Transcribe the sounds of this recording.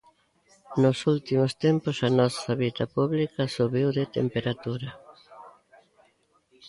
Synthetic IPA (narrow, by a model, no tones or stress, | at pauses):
nʊsult̪imʊst̪empʊsɐnɔsɐβit̪ɐpuβlikɐsuβiwðet̪ḛmpeɾat̪uɾɐ